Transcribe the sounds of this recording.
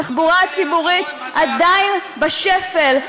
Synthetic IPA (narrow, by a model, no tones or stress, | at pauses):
aχbuʁat͡sibuʁit̪ | ʔad̪ainbaʃefel